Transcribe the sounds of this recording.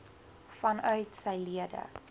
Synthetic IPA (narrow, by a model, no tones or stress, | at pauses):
fɐnœɥtsɛjliədə̰